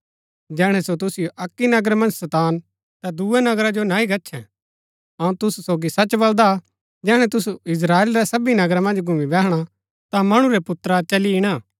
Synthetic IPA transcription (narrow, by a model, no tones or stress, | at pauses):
d͡ʒɛːɽ̃ɛ̃sot̪ʊsɪjoʔɐkːinɐɡəɾmɐ̃nd͡ʒsɐt̪aːn | t̪ad̪uːenɐɡɾad͡ʒonaːiɡɐtːʃʰɛ̃ | ɐũt̪ʊsusoːɡisɐt͡ʃbɐld̪a | d͡ʒɛːɽ̃ɛ̃t̪ʊsuɪs̬ɾaːeːlɾesɐbinɐɡɾamɐ̃nd͡ʒɡʱʊ̃mĩbɛːɦɽ̃a | t̪amɐɽ̃ũɾepʊt̪ɾat͡ʃɐliɪɽ̃aː